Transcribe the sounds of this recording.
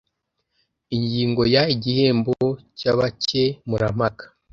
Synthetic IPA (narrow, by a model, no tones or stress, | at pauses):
iɲɟiːŋɡo̞jaiɟihe̞ːmboocaβacemuɾamakḁ